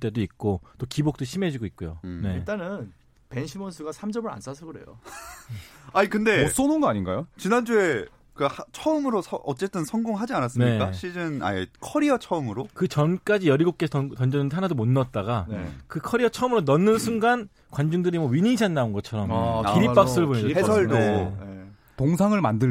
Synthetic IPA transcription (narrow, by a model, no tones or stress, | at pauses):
t͈e̞doik͈ot͈okibok̚t͈oɕʰimɦe̞d͡ʑiɡoik̚k͈ojo̰ne̞iɭt͈anɯn | pe̞nɕʰimʌnsʰuɡasʰamd͡ʑʌmɯɾa̰ns͈asʰɯɡɯɾe̞̰jo̰ | aɲikɯnde̞s͈ononɡʌaɲinɡa̰jot͡ɕinand͡ʑue̞ | kɯht͡ɕʰʌɯmɯɾosʰʌʔʌt͡ɕ͈e̞t͈ɯnsʰʌŋɡoŋɦad͡ʑianas͈ɯɲie̞kaɕʰid͡ʑɯna̰ekʰʌɾiʌt͡ɕʰʌɯmɯɾokɯt͡ɕʌnk͈ad͡ʑijʌɾiɡok͈esʰʌtʌnd͡ʑʌnɯnd̪eɦanadomonːʌt̚t͈aɡanekɯkʰʌɾiʌt͡ɕʰʌɯmɯɾonʌnːɯnsʰuŋɡan | kwand͡ʑɯŋdɯɾimwʌɥiɲid͡ʑanːaunɡʌt͡ɕʰʌɾʌmkiɾip͈ak̚s͈ɯɭboed͡ʑʌesʰʌɭde | toŋsʰaŋɯɭmandɯ